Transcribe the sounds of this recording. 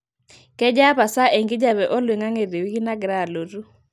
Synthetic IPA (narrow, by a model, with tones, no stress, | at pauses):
kɛ˦d͡ʒa˦pa˨sa˦ʔe˨ŋɡɪ˦d͡ʒa˦bɛ˨ʔɔ˦lwe˨ŋa˦ŋe˨de˨wi˦kɪ˦na˦ɡɾa˦˨lo˨ɾu˦